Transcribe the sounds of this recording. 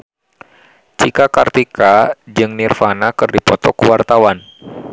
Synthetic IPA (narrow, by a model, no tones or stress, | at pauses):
t͡ʃikakart̪ikad͡ʒɨŋnirfanakɨrdipɔt̪ɔkuwart̪awan